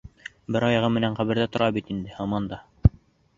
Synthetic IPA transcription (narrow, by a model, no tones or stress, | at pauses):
bɘɾɑjɑʁɤmɘ̆næɴqæβɘ̆ɾðæt̪ŏɾʔɑbit̪ind̪ɘhɑmɑnd̪ɑ